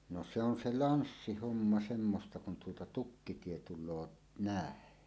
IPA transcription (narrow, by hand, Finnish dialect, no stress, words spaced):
no se on se lɑnsːihomːɑ semːostɑ kun tuotɑ tukːitie tulˑoː næˑen